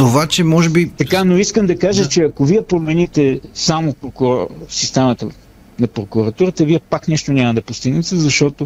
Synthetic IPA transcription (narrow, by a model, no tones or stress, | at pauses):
t̪ovat͡ʃɛmɔʒɛbit̪ɐkanoiskəmd̪ɐkaʒət͡ʃɛɐkoviɛpɾomɛnit̪ɛsamopɾokɾsist̪ɛmət̪ə | nɐpɾokʊɾɐt̪uɾət̪əviɛpaknɛʃt̪onʲamɐd̪ɐpost̪iɡnɛt̪ɛzɐʃt̪ɔt̪o